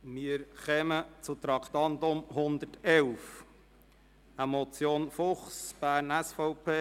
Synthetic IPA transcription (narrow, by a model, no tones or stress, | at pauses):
mɪəɾχɛmət͡sut̪ɾɑkʰt̪ɑnt̪ʊmhʊnd̪ətɛwf | əmɔt͡sjoːnfʊχsb̥æːɾnæsfɔʊpʰeː